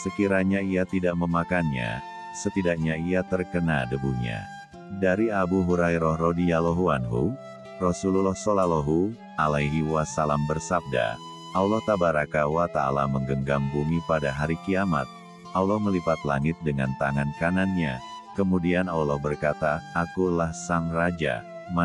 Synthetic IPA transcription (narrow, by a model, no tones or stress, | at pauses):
səkiɾaɲaiat̪idaʔməmakanɲa̰ | sət̪idak̚ɲaijat̪ərkənadəbuɲa̰ | daɾiabuɦuɾajɾɔhrodijalɔɦuanɦṵ | rɔsululɔhsolalɔɦu | alajɦiwasalambərsab̚da̰ | ʔaulɔht̪abaɾakawat̪ala̰məŋɡəŋɡaŋbumipadaɦaɾikiama̰t̪̚ | ʔaulɔhməlipat̪la̰ŋɪt̪̚dəŋa̰nt̪aŋankananɲa | kəmudianaulɔhbərkat̪aːkulahsaŋrad͡ʒa̰ | ma